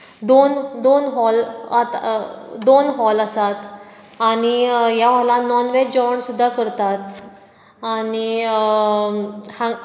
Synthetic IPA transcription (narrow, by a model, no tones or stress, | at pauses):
d̪ond̪onɦɔlat̪d̪onɦɔləsat̪ | aɽ̃ijaʋ̤ɔlanɔnʋed͡ʑɔɳsud̪ʱːakəɾt̪at̪̚ | aɽ̃i | hã